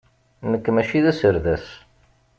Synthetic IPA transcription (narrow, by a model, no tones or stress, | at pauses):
nəkːmæʃiðæsəɾðæs